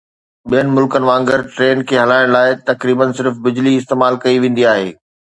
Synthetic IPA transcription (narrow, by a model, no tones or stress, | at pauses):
ɓijənɪ̆mʊlkənɪ̆ʋãːŋɡəɾʈɾeːnkʰeːɦɐlaːɪɽ̃laːɪt̪ɐkɾiːbənsɪɾfbɪd͡ʑliɪst̪eːmaːlkɐiʋẽːn̆d̪iaːɦeː